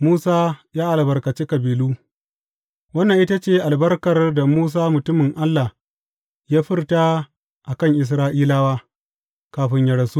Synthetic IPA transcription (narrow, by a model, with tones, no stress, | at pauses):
muː˦saː˦jaː˦ʔa˨lbɐ˨rkɐ˨t͡ʃe˦kɐ˨biː˨luː˦ | wɐ˦nːɐ˨ŋʔɪ˦ta˦t͡ʃeː˦˨ʔa˨lbɐ˦rkɐ˨rda˨muː˦s̬aː˦mʊ˨tʊ˦mɪ˨ŋʔa˦lːa˨ | jaː˦ɸɪ˦rta˦ | ʔa˨kɐ˦˨ŋʔɪ˨s̬ɾaː˦ʔiː˦laː˦waː˦ | kaː˨ɸɪ˦ɲjɐ˨ɽɐ˨su˦